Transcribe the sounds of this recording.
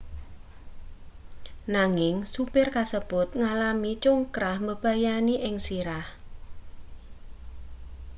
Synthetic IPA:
naŋɪŋsupɪrkasəb̥ʊt̪̚ŋalamit͡ʃʊŋkɾahməb̥a̤janiʔɪŋsiɾah

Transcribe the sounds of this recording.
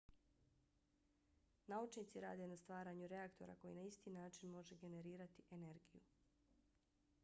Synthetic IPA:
naut͡ʃniːt̪siɾa̰ːd̪e̞nast̪ʋaːɾaːɲuɾe̞akt̪o̞̰ɾa̰ko̞jḭnaist̪iːnaːt͡ʃinmo̞ʒe̞ɡe̞ne̞ɾiːɾat̪iʔe̞ne̞ɾɡiju

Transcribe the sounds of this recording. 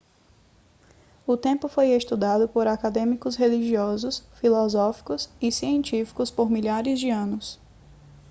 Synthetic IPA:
ʊt̪ẽpʊfojest̪ud̪ad̪ʊpoɾakad̪ẽmikʊsɦeliʒiɔzʊsfilɔzɔfi̥kʊsɪsiẽnt͡ʃifi̥kʊspoɾmiʎaɾɪzd͡ʒɪɐ̃nʊs

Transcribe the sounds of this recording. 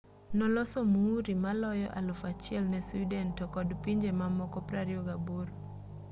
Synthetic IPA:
nɔlɔsomuːɾimalɔjɔ̰ʔalofat͡ʃɪɛlnɛsidɛntɔkɔdpiɲd͡ʒemamɔkɔpɾaɾjoɡaboɾ

